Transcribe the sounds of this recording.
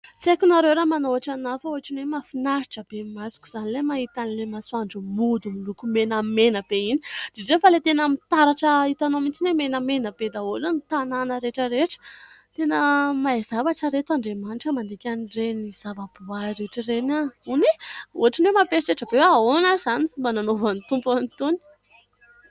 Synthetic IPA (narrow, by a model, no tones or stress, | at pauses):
t͡siekʲunaɾewɾamanoaʈ͡ʂanafaoaʈ͡ʂinwemafinaʃi̥ʈ͡ʂəbemasi̥kʲu̥z̥anilemait̪anilemasuaɳɖ͡ʐəmud̪umilukumenəmenəb̥eini̥d̥̪eɖ͡ʐefəlet̪enəmit̪aɾaʈ͡ʂəit̪anomint͡sinemenəmenəb̥ed̪aolenit̪ananəɾeʈ͡ʂəɾeʈ͡ʂə̥t̪enəmaezavaʈ͡ʂəɾet̪aɳɖ͡ʐemanʈ͡ʂəmand̪ekʲaniɖ͡ʐeniz̥avab̥uaɾeʈ͡ʂirenaunioaʈ͡ʂinemapeʃiʈ͡ʂeʈ͡ʂəbewaonazanifimbananovanit̪umpanit̪uni̥